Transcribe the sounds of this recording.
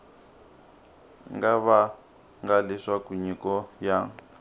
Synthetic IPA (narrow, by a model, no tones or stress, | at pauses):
ŋɡaβa | ŋɡaliʂakuɲikɔja